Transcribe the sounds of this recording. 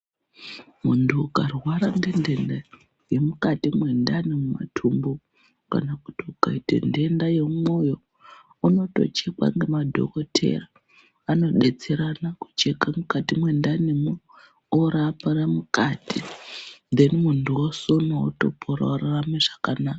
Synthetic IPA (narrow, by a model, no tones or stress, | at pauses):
muntʰuːkarwaɾanɡende̞nda | je̞mukatimwe̞ndanemuma̰tʰumbo | ka̰nakutiukaitḛnde̞ndajemo̞jo̞ | uno̞to̞̰t͡ʃe̞kwa̰ŋɡemadʱo̰ko̞tʰe̞̰ra | ano̞ɗe̞t͡seɾanaku̥t͡ʃe̞kamukatimwe̞ndanemo | oɾapaɾamukatind̪e̞nimuntuwosonooto̞̰pʰoɾa̰oraameʐakanaːka